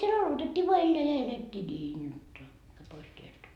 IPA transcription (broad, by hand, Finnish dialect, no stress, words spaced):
siel ɑlotetʲːiː ʋoɑ elːeæ jɑ eletʲːiː niːn jotːɑ mæː pois tieltæ